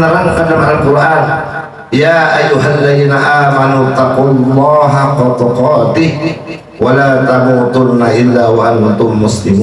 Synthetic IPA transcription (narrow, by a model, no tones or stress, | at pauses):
naɾaŋkadamaalkʊɾʔaːn | jaːʔajːʊɦalːaðiːnaʔaːmanut̪ːaqʊlˤːɑːɦaqɑt̪ɑqɑːt̪ɪh | walaːt̪amuːt̪ʊɾnaʔɪlːaːwaʔant̪ʊmːʊslɪmuː